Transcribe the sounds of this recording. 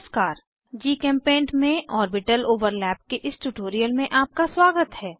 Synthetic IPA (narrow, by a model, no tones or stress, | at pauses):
skaːɾ | d͡ʒiːkɛ̃ːmpẽːɳʈmẽʔɔːɾbɪʈəloːʋəɾlɛːp̚keʔɪsʈuʈoːɾijəlmẽʔaːp̚kaswaːɡət̪ɦɛː